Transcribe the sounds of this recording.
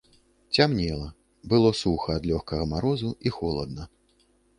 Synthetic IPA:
t͡sʲamnʲɛlˠɐ | bɨlˠɔsuxɐːd̪lʲɔxkɐɣɐmaɾɔzuixɔlˠɐ̰d̪̚nɐ

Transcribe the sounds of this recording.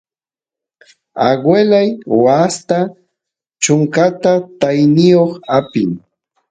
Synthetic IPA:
aɢwelajwast̪a | t͡ʃʊŋkat̪at̪ajnɪjoχapɪŋ

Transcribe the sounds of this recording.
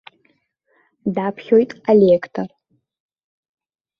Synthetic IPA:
dapʰχʲo̞jtʼalʲekʰtʰor

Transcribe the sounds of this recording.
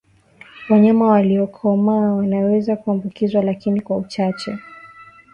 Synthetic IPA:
waɲamawaliɔkʰɔmawanawɛzakuambukizwalakinikwaut͡ʃat͡ʃɛ

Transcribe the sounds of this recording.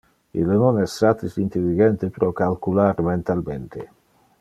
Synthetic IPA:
ḭlnonɛsːat̪isint̪elːiɡɛnt̪epɾɔkalkulaɾmɛnt̪alment̪ḛ

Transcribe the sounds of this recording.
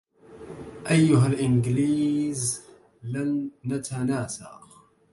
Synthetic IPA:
ʔæjːʊɦælʔɪnɡliːz | lanːat̪ʰanaːsa̰q

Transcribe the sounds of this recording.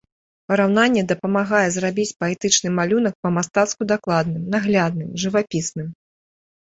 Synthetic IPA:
pɐɾawnanʲːɛd̪ɐpɐmaɣajɛzrabʲit͡sʲpɐɛt̪ɨt͡ʂnɨmalʲun̪ɐk̚pɐmast̪at̪skud̪aklˠad̪nɨmnaɣlʲad̪nɨmʐɨvapʲisnɨm

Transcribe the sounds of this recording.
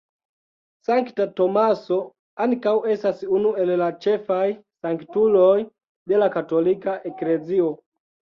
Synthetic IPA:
saŋktatɔmasɔ | anikauʔɛsasiunuɛlɛlat͡ʃɛfaisaŋkitulɔi | ɓɛlakatɔlikaʔɛkɾɛziɔ

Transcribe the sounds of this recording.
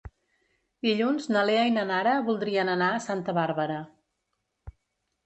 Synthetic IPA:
d̪iʎunznəleajnənaɾəβulˠd̪ɾiənənaəsant̪əβaɾβəɾə

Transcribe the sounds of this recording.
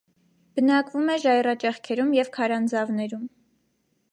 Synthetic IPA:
b̥ənɑkvumɛʒɑjrɑt͡ʃɛχkʰɛɾumjɛvkʰɑɾɑnd͡zɑvnɛɾum

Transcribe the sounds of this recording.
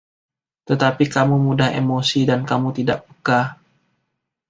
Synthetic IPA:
t̪ət̪apikamumudaɦḛmosidankamut̪ida̰ʔ̚pəka

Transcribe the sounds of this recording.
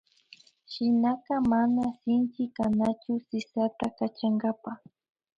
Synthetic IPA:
ʃɪnaqɑmanasɪnt͡ʃɪkanat͡ʃʊsɪsat̪akat͡ʃaŋɡapa

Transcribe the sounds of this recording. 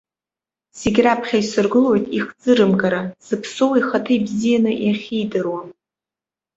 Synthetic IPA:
se̞ɡʲrapʰχʲaisɨrɡɨlo̞jtʼiχd͡zɨɾɨmkʼaɾasɨpʰsowiχatʰɨjbzijanɨʔiχʲijdɨrwa

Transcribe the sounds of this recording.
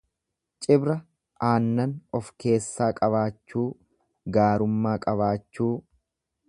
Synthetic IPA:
t͡ʃʼɪbɾɐ | aːnːɐnɔfke̞ːsːaːkʼɐβaːt͡ʃːuː | ɡaːɾʊmːaːkʼɐβaːt͡ʃːuː

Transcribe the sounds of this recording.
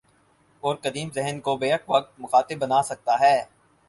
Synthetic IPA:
ɔːɾkɐd̪iːmzɛɦənkobeːəkʋɐk̚t̪̚mʊxaːt̪ɪbːɐnaːsɐk̚t̪aɦɛː

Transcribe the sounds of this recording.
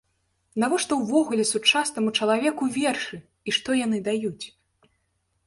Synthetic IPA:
navɔʂt̪ɔwvɔɣulʲɛsut͡ʂasnɐmut͡ʂɐlˠavʲɛkuvʲɛrʂɨ | iʂt̪ɔjanɨd̪ajut͡sʲ

